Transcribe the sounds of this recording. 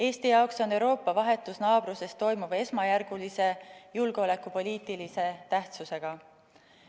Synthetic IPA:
e̞ːst̪ijɑokso̞nːe̞wɾo̞ːpːˑɑvɑɦe̞t̪ːˑusnɑːb̥ɾuse̞st̪ːo̞jmub̥e̞smɑjærɡ̥ulise̞julɡ̥eo̞le̞kːˑupo̞lʲiːt̪ˑilise̞t̪æht̪suse̞ɡ̥ɑ

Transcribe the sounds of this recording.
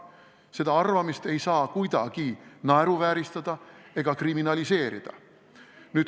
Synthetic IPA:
se̞d̪̥ɑɑrvɑmist̪e̞jsɑːkujd̪̥ɑ̰ɡ̥inɑeɾuvæːɾist̪ɑd̪̥ɑe̞ɡ̥ɑkriminɑlʲise̞ːɾḭd̪̥ɑ̰ | nyːt̪

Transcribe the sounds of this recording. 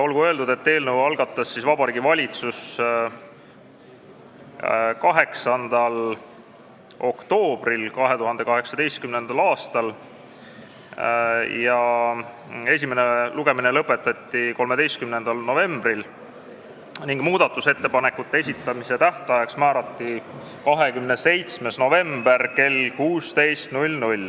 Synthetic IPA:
o̞lɡuø̞ld̪ud̪e̞t̪ːe̞ːlnəwɑlɡ̥ɑt̪ːˑɑsːisvɑbɑɾiːɡivɑlʲit̪sus | kɑɦe̞ksɑnd̪̥ɑl | o̞kt̪o̞ːb̥rilkɑɦe̞t̪uɦɑnd̪̥e̞kɑɦe̞ksɑd̪e̞jst̪̚kymne̞nd̪̥ɑlɑːst̪ɑl | jɑ | e̞s̬ʲimene̞luɡ̥e̞mine̞lɤpːˑe̞t̪ːˑɑt̪ːˑiko̞lme̞d̪e̞jst̪kymne̞nd̪̥ɑlno̞ve̞mbril | niŋɡ̥muːd̪̥ɑt̪ːˑuse̞t̪ːe̞pɑne̞kːˑut̪ːˑee̞s̬ʲit̪ːˑɑmise̞t̪æht̪ɑjɑksmæːɾɑt̪ˑːi | kɑɦe̞kymne̞se̞jt̪sme̞sno̞ve̞mb̥e̞rke̞lkuːst̪e̞jst̪nulʲnulʲ

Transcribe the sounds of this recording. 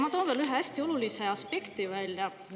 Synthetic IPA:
mɑt̪oːnveːlyɦeæsʲt̪io̞luliseɑspe̞kt̪ivælʲjɑ

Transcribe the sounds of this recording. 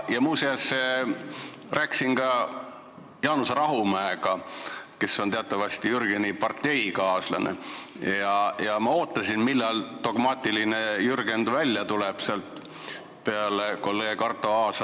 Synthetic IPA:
jɑmuːseɑs | ræːkːˑsinkɑ | jɑːnusɑɾɑɦumæeɡɑke̞sːo̞nt̪e̞ɑt̪ˑːɑvɑst̪ijyrɡ̥enipɑrt̪ːe̞jkɑːslɑ̰nḛjɑjɑmɑo̞ːt̪ːˑɑsinmilːɑlt̪o̞ɡ̥mɑːt̪ʲilinejyrɡe̞nd̪̥vælʲːjɑt̪uleb̥seɑlt̪ˑ | pe̞ɑle̞ko̞lːe̞ːɡkɑrt̪ːˑo̞ɑːsɑ

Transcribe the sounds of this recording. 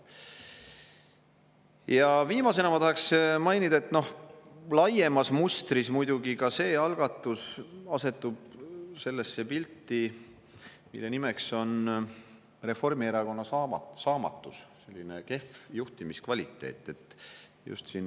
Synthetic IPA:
jɑviːmɑs̬enɑmɑt̪ɑhɑksmɑjnid̪̥ɑe̞t̪ːno̞hlɑje̞mɑsmust̪rismujd̪̥uɡikɑse̞ːɑlɡ̥ɑt̪ːˑusɑse̞t̪ːub̥se̞lːe̞sːepilʲt̪ːˑi | mḭlːe̞nimekso̞n | re̞fo̞rmieɾɑko̞nːɑsɑɑsɑːmɑ̰t̪ːˑusse̞lʲːinḛke̞fjuht̪imiskvɑlʲit̪ːˑe̞̰ːt̪ːˑe̞t̪ːjṵst̪sin

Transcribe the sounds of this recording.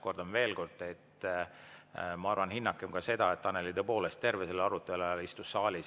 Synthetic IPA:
ko̞rd̪onve̞ːlko̞rd̪̥e̞t̪ | mɑɑrvɑnhinːɑkːˑemkɑse̞d̪̥ɑet̪ːɑnːelid̪epo̞ːlest̪t̪e̞rvese̞lːɑɾut̪ːˑe̞lɑɑlist̪usːɑːlʲis

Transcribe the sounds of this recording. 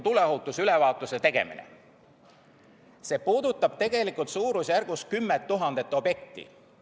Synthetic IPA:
t̪uleɑɦut̪ːˑusylevɑːt̪ːˑuset̪e̞ɡ̥e̞̰mḭnḛ | se̞ːpuːd̪ut̪ːˑɑb̥̚t̪e̞ɡ̥e̞likːˑult̪suːɾusjærɡ̥us̚kymːet̪ːuɦɑnd̪et̪ːˑo̞bje̞k̚t̪ḭ

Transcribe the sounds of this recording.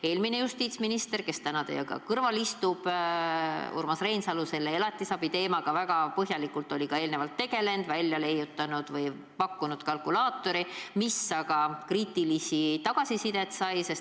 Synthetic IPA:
e̞ːlmine̞just̪iːt̪sminist̪e̞rke̞st̪ænɑd̪ejɑɡɑ̰kɤrvɑlist̪ub̥ | ṵrmɑsre̞jnsɑluse̞lːeelɑt̪ːˑisɑbit̪e̞ːmɑɡ̥ɑvæɡ̥ɑpɤɦjɑlikult̪ˑo̞lʲikɑe̞ːlnevɑlt̪ːe̞ɡ̥e̞le̞nd̪̥vælʲːjɑle̞jːut̪ːˑɑnud̪̥vɯj | pɑkːunud̪̥kɑlkulɑːt̪ːˑo̞ɾimisːɑɡɑkriːt̪ilisit̪ɑɡ̥ɑsisid̪e̞t̪sɑjse̞s

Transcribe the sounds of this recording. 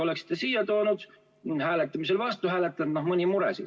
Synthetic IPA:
o̞leksi̥t̪ːesiːjɑt̪o̞ːnud̪̥ | hæːlet̪ːˑɑmiselvɑst̪uhæːlet̪ːˑɑnnohmɯnʲimuɾḛsḭ

